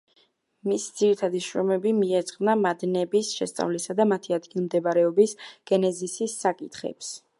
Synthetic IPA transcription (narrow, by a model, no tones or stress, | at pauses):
misd̪z̥iɾit̪ʰad̪iʃɾɔmɛbimiɛt̪sʼqʼvnamad̪nɛbisʃɛ̰st̪sʼa̰vlisad̪amat̪ʰiad̪ɡilˠmd̪ɛbaɾɛɔbisɡ̥ɛnɛzisisːakʼit̪ʰχɛ̰ps